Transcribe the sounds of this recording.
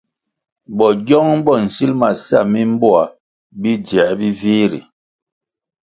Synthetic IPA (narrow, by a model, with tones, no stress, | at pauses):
bɔ˨ɟɔ˦ŋ˦bɔ˦˨n̩˨si˦lma˨sa̰˦˨mi˦m̩˦bo˦a˨ | bi˦d͡ʒɛ˨˦bi˦viː˦ɾḭ˨